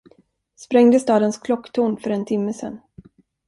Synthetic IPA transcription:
spɾɛŋd̪əst̪ɑːd̪ənskʰlɔkːt̪ʰuːɳfœɾɛnt̪ʰɪmːəsɛ̰n

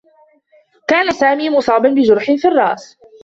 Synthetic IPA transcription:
kaːnasaːmiːmʊsˤɑːbanbɪd͡ʒʊɾħɪfirˤːɑːʔs

